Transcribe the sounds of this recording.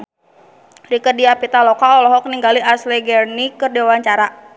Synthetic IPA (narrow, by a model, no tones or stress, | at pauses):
rikərdiapit̪alɔkaɔlɔɦɔk̚niŋɡaliaslɛɡɛrnikɨrdiwawaɲt͡ʃaɾa